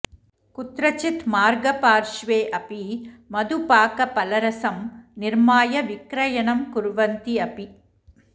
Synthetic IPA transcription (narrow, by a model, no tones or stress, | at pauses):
kut̪ɾɐt͡ʃɪt̪maːɾɡɐpaːɾʂʋeːʔɐpimɐd̪upaːkɐpɐlɐɾɐsɐmnɪɾmaːjɐʋɪkɾɐjɐɳɐmkʊɾʋɐnt̪iɐpi